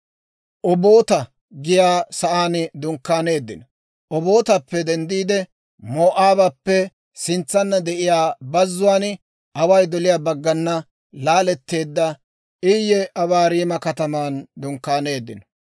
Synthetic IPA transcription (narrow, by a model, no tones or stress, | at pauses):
ʔɔbo̞ːt̪ɐ | ɡɪjaːsɐʔaːnd̪ʊŋkːaːne̞ːd̪ːɪ̰nɔ | ʔɔbo̞ːt̪ɐpːɛd̪ɛnd̪iːd̪ɛ | moːʔaːbɐpːɛ | sɪnt͡sːɐnːɐd̪ɛʔɪjaːbɐzːʊwaːn | ɐwɐjd̪ɔlɪjaːbɐɡːɐnːɐ | laːlɛt̪ːe̞ːd̪ːɐ | ʔɪjːɛʔɐβaːɾiːmɐkɐt̪ɐmaːnd̪ʊŋkːaːne̞ːd̪ːɪnɔ